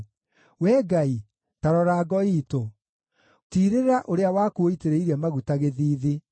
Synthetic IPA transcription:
wɛːɡai | taɾɔɾaːɡɔiːto | tiɾeɾeɾaʔoɾeawaːkuoiteɾeiɾɛmaɣutaɣeðiːði

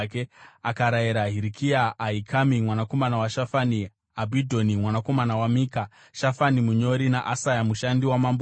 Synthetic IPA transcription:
keakaɾaiɾaɦiɾikiaːikʰamimwanako̞manawaʃafani | abʱidʱo̞nimwanako̞manawamiːka | ʃafanimuɲo̞ɾinaʔasajamuʃandiwamamb

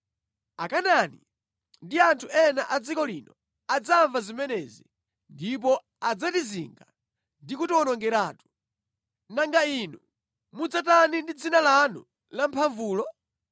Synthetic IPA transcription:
akanani | ndiantʰuɛnaʔad͡zikɔlinɔ | ad͡zaɱvazimɛnɛzi | ndip̬ɔ | ad͡zatiziŋɡa | ndikutiwɔnɔŋɡɛɾaːtu̥ | naŋɡainu | mud͡zatanindid͡zinalanṵ | lam̩pʰaɱvuːlɔ

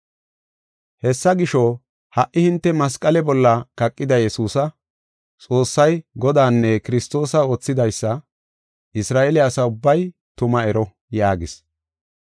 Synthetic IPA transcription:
hɛsːɐɡɪʃɔ | hɐʔːɪhɪnt̪ːɛmɐs̬kʼɐlɛbɔlːɐkɐkʼːɪd̪ɐjɛsuːsɐ | t͡sʼo̞ːsːɐjɡɔd̪aːnːɛkɪɾɪst̪o̞ːsɐo̞ːt͡sːɪd̪ɐjsːɐ | ʔɪsɾaːʔelɪɐsɐʊbːɐj | t̪ʊmɐɛɾɔ | jaːɡɪs

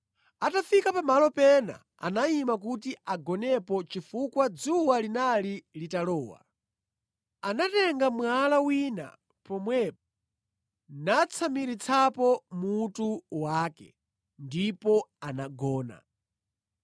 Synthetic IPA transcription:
atafikapamalɔpɛna̰ | a̰naimak̬ut̬iaɡɔnɛpɔt͡ʃifukwad͡zuwalinalilitalɔːwa̰ | anatɛŋɡamwalawina̰ | pɔmwɛp̚ɔ̥ | nat͡sʰamiɾit͡sʰapɔmutuwaːkɛ̰ | ndipɔanaɡɔːna̰

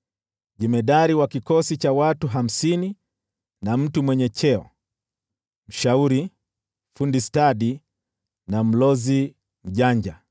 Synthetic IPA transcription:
ʄɛmɛɗaɾiwakikɔsit͡ʃawatuɦam̩sini | nam̩tumwɛɲɛt͡ʃɛɔ̰ | m̩ʃauɾi | fundistaɗi | nam̩lɔzi | m̩ʄaɲd͡ʒa

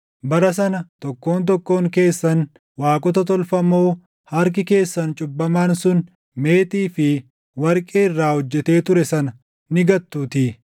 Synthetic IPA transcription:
bɐɾɐs̬ɐnɐt̪ɔkːo̞ːnt̪̬ɔkːo̞ːŋke̞ːsːɐn | waːkʼɔt̪ɐt̪̬ɔlfɐmo̞ː | hɐɾk̬ɪke̞ːsːɐnt͡ʃʼʊbːɐmaːnsʊn | me̞ːt̪iːfɪ | wɐɾkʼeːɪrːaːhɔd͡ʒːɛt̪e̞ːt̪ʊɾɛsɐnɐ | nɪɡɐt̪ːuːt̪ɪ

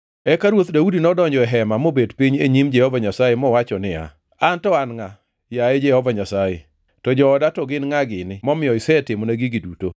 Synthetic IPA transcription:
ɛkaɾwot̪daudinɔdɔɲd͡ʒɔɛɦɛmamobedpiɲeɲimd͡ʒɛhɔvaɲasajemɔwat͡ʃɔnɪa̰ | antɔanŋa | jaed͡ʒɛhɔvaɲasaje | tɔd͡ʒɔːdatɔɡɪnŋaɡɪnɪmɔmɪɔɪsɛtɪmɔnaɡiɡiduto

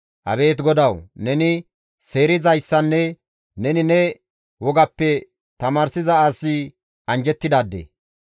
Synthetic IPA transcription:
ʔɐ̰be̞ːt̪ɡɔd̪ɐwnɛnɪ | se̞ːɾɪzɐjsːɐnːɛ | nɛnɪnɛ | wɔɡɐpːɛ | t̪ɐmaːɾsɪzɐaːsːɪ | ɐnd͡ʒɛt̪ːɪd̪aːd̪ːḛ

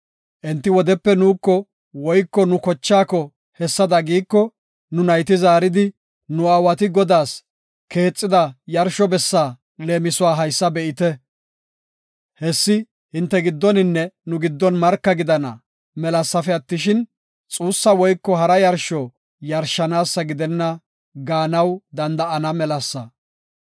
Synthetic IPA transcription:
ʔɛnt̪ːɪwɔd̪ɛpːɛnuːkːɔ | wɔjkːɔnʊkɔt͡ʃːaːkɔ | hɛsːɐd̪ɐɡiːkːɔ | nʊnɐjt̪ɪzaːɾɪd̪ɪ | nʊɐwɐt̪ɪɡɔd̪aːs | ke̞ːt͡sʼːɪd̪ɐjɐɾʃɔbɛsːaː | le̞ːmɪsʊwaːɦɐjsːɐbɛʔɪt̪ɛ | hɛsːɪ | hɪnt̪ːɛɡɪd̪ːɔnɪnːɛnʊɡɪd̪ːɔnmɐɾkːɐɡɪd̪ɐnɐ̰ | mɛlɐsːɐfɛɐt̪ːɪʃɪn | t͡sʼuːsːɐwɔjkːɔɦɐɾɐjɐɾʃɔ | jɐɾʃːɐnaːsːɐɡɪd̪ɛnːɐ | ɡaːnɐwd̪ɐnd̪ɐʔɐnɐmɛlɐsːɐ

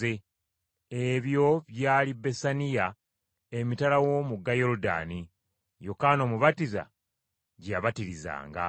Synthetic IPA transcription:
e | eβjo̞βjaːlibe̞sanija | e̞mitalawo̞muɡːajo̞ɾuda̰ni | jokano̞ːmuβatiza̰ | ɟaβatiɾiza̰ːŋɡa̰

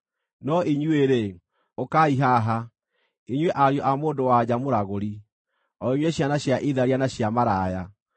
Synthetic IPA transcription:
nɔʔiɲweɾe | okaiɦaɦa | iɲweʔaɾjɔʔamoːndowad͡ʑamoɾaɣoɾi | ɔɔiɲweɕjanaɕjaʔiðaɾianaɕjamaɾaja

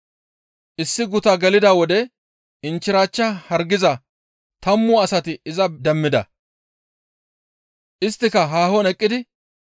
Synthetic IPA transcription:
ʔɪsːɪɡʊt̪ɐɡɛlɪd̪awɔd̪ɛ | ɪnt͡ʃːɪɾaːt͡ʃːɐhɐɾɡɪzɐ | t̪ɐmːʊɐsɐt̪ɪɪzɐd̪ɛmːɪd̪ɐ̰ | ʔɪst̪ːɪkɐɦaːhɔnɛkʼːɪd̪ɪ

